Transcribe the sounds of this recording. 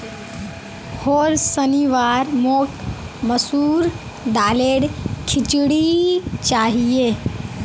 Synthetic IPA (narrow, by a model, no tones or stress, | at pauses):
hoːɾsəniʋaːɾmoːk | məsuːɾ | d̪aːleːɽkʰɪt͡ʃɽit͡ʃaːɦieː